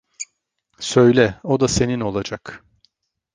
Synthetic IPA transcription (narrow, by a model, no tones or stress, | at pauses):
sø̞jlʲɛo̞d̪ase̞nino̞lˠad͡ʒak